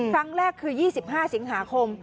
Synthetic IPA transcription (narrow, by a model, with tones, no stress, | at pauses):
kʰɾa˦˥ŋɾɛː˥˩kʰːɯː˧jiː˥˩si˨˩p̚ɦaː˥˩si˩˦ŋɦaː˩˦kʰo˧m